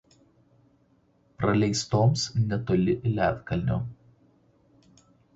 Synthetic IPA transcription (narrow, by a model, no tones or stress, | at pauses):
pɾɐlʲɛɪst̪oːmsnʲɛt̪oːlʲɪʔɪlʲæ̰ːˑt̪ʲkɐlʲˑnʲo̰ː